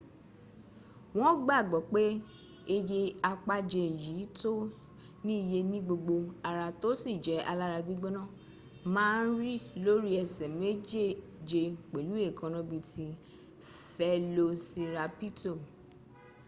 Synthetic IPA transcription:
w̃ɔ̃˦ɡ͡ba˦˨ɡ͡bɔ˨k͡pe˦ | e˧je˧a˧k͡pa˧d͡ʒe˧˨ji˨˦to˦ | nĩ˦i˨je˧nĩ˦ɡ͡bo˧ɡ͡bo˧a˨ɾa˧to˦si˦˨d͡ʒɛ˨˦ʔa˧la˦ɾa˧ɡ͡bi˦ɡ͡bɛ˦nã˦˨ | mãː˦n̩˦ɾi˦lo˦ɾi˦ɛ˧sɛ˨me˦d͡ʒe˦˨ | d͡ʒe˧k͡pe˨lu˨˦e˦˨kʰã˨˧nã˧˦bi˧ti˧ | fɛ˦lo˧si˧ɾa˧pi˦to˦˨

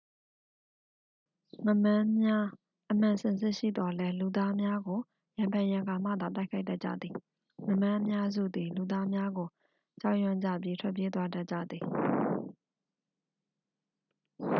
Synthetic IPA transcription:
ŋə˨mã˦ja˦ | ʔəm̥ã˨sɪ̃˨nsɪ˦ʔʃḭ˦˨d̪ɔ˨lɛ˦lu˨d̪a˦mja˦ɡo˨ | jã˨mpʰã˨ja˨ɡa˨m̥ä̰˦˨d̪ða˨t̬a˦ɪkʰa˦ɪda˦ʔ̚t͡ɕä̰˦˨d̪ði˨ | ŋə˨mã˦ʔəmja˦zṵ˦˨d̪i˨lu˨d̪a˦mja˦ɡo˨ | t͡ɕa˦ʊʔjã˦˨ɲd͡ʑa̰˦˨pji˦tʰwɛ˦ʔp̬je˦t̪wa˦da˦ʔt͡ɕä̰˦˨d̪ði˨

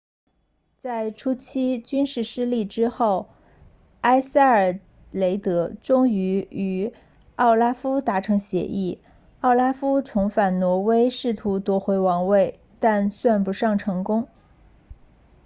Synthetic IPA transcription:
t͡sa˥˩ɪʈ͡ʂʰu˥t͡ɕʰi˥t͡ɕy˥nʂɻ̩˥˩ʂɻ̩˥li˥˩ʈ͡ʂɻ̩˥xo˥˩ʊ | a˥ɪsa˥˩ɪə˞˨˩ | le˧˥ɪt̪ɤ˧˥ʈ͡ʂʊ˥ŋy˧˥y˧˥ | ɑ˥˩ʊla˥fu˥t̪a˧˥ʈ͡ʂʰɤ˧˥ŋɕjɛ̰˧˥ʔi˥˩ | ɑ˥˩ʊla˥fu˥ʈ͡ʂʰʊ˧˥ŋfa˨˩nnwɔ˧˥we˥ɪʂɻ̩˥˩t̪ʰu˧˥t̪wɔ˧˥xwe˧˥ɪwɑ˧˥ŋwe˥˩ɪ | t̪a˥˧nswa˥˧npu˧˥ʂɑ˥˩ŋʈ͡ʂʰɤ˧˥ŋkʊ˥ŋ

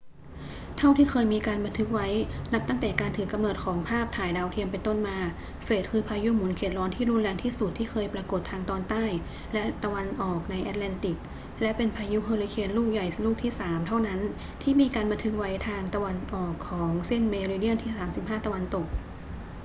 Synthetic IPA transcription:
t̪ʰa˥˩wt̪ʰiː˥˩kʰɤː˧jmiː˧kaː˧nba˧nt̪ʰɯ˦˥k̚wa˦˥jna˦˥p̚t̪a˥˩ŋt̪ɛː˨˩kaː˧nt̪ʰɯː˩˦ka˧mnɤː˨˩t̪̚kʰɔː˩˦ŋpʰaː˥˩p̚t̪ʰaː˨˩jdaː˧wt̪ʰi˧əmpe˧nt̪o˥˩nmaː˧ | feː˨˩t̪̚kʰɯː˧pʰaː˧ju˦˥muː˨˩˦nkʰeː˨˩t̪̚lɔː˦˥nt̪ʰiː˥˩ɾu˧˥˩nlɛː˧ŋt̪ʰiː˥˩su˨˩t̪ʰːiː˥˩kʰɤː˧jpɾaː˧ko˨˩t̪ʰːaː˧ŋt̪ɔː˧nt̪aː˥˩j | lɛ˦˥ʔt̪a˧wa˧nʔɔː˨˩k̚na˧jʔɛː˧˥t̪̚lɛː˧nt̪i˨˩k̚ | lɛ˦˥ʔpe˧npʰaː˧ju˦˥ɦɤː˧li˧kʰeː˧nluː˥˩k̚ja˨˩jluː˥˩k̚t̪ʰiː˥˩saː˩˦mt̪ʰa˥˩wna˦˥n | t̪ʰiː˥˩miː˧kaː˧nba˧nt̪ʰɯ˦˥k̚wa˦˥jt̪ʰaː˧ŋt̪a˧wa˧nʔɔː˨˩kʰːɔː˩˦ŋse˥˩nmeː˧ɾiː˧di˥˩ənt̪ʰiː˥˩saː˩˦msi˨˩p̚ɦaː˥˩t̪a˧wa˧nt̪o˨˩k̚

